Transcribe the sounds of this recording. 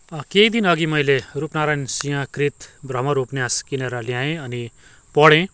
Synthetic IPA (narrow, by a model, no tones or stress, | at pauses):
keid̪inʌɡimʌjlerupnaɾajnsijãkrit̪brʌmʌɾupnjaskineɾʌlijãẽʌni | pʌɽẽ